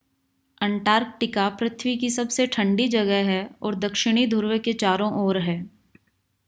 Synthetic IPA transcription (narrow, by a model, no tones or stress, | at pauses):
ɛ̃ɳʈaːɾk̚ʈɪkapɾɐt̪ʰwikisɐbseʈʰɐ̃ɳɖid͡ʒɐɡɛɦɦɛɔːɾd̪ɐkʃɪɽ̃id̪ʱʊɾʋket͡ʃaːɾõʔɔːɾɦɛː